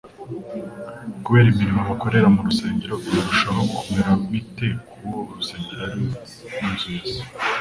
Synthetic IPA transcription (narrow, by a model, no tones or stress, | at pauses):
kuβe̞ːɾimiɾimaβako̞ɾe̞ɾamuɾuse̞ːɲɟeɾoujoɾuʃaɾaɡukʰomeɾamite̞koɾuse̞ːɲɟeɾaɾ | nuzuzi